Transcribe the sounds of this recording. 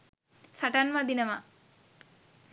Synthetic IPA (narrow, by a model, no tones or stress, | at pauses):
saʈanʋad̪inəma